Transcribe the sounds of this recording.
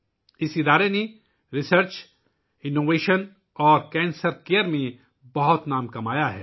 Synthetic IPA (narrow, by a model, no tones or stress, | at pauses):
ɪsɪd̪aːɾene | ɾɪsəɾt͡ʃ | ɪnːoːʋeːʃən | ɔːɾkɛ̃ːnsəɾkejəɾmẽ | bɐɦʊt̪naːmkɐmaːjaɦɛ̰ː